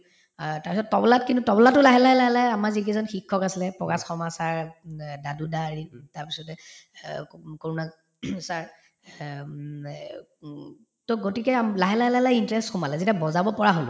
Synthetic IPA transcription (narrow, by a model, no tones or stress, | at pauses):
taɹpisɔtːɔbɔlatkintutɔbɔlatʊlaɦɛlaɦɛlaɦɛlajamaɹzikezɔnxikʰːɔkasilɛpɹɔkasxɔmasaɹdadudaɹitaɹpisɔtɛ | koɹuna | saɹ | toɡotikɛamlaɦɛlaɦɛlaɦlajintɹɛstxumalɛzetabɔzabɔpɔɹaɦolʊ